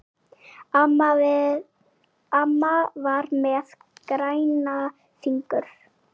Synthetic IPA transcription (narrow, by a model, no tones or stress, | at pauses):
amːavaɾmɛð | kɾaːjna | θiŋkʏɾ̥